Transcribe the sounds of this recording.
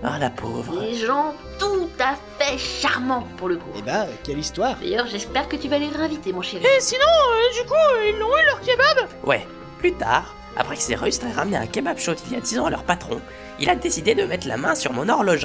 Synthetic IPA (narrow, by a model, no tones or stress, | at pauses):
alapʰo̰vʁleʒɑ̃ | t̪ut̪afɛʃaʁmɑ̃puʁləkuebjɛ̃kʲɛlist̪waːʁd̪a̰jœʁʒɛspɛʁkət̪yvaleʁɛ̃vit̪emɔ̃ʃɛʁiesinɔ̃ød̪ykuilːɔ̃ylœʁkʲebabwɛ̰ | plyt̪a̰ʁ | a̰pχɛkseʁyst̪χeʁamneã̰kʲebabʃod̪ilia̰d̪izɑ̃alœ̰ʁpat̪χɔ̰̃ | ilad̪esid̪ed̪əmɛt̪la̰mɛ̃syʁmɔ̃nɔʁlɔʒ